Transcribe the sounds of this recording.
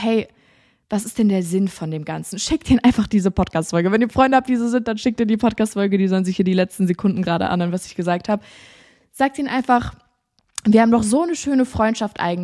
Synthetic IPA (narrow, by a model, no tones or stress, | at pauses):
hɛɪ | vas̬ɪstd̥ɛndeːɐzɪnfɔndeːmɡant͡sn̩ʃɪktʔiːnʔaɪnfaχd̥iːzəpʰɔt̚kʰaːstfɔlɡəvɛniːɐfʁ̥ɔʏndəhap̚td̥iːzozɪnt̚d̥anʃɪk̚tiːɐdiːpʰɔt̚kaːstfɔlɡədiːzɔlənzɪçhiːɐdiːlɛt͡stn̩zekʰʊndn̩ɡʁaːɾə̰ʔa̰nhøːənvasɪçɡ̥əzaːk̚thaːbə | z̥aːk̚tʔiːnʔaɪnfaχ | viːɐhaːbm̩ndɔχz̥oːnəʃøːnəfʁ̥ɔʏntʃaftʔa̰ɪɡŋ̩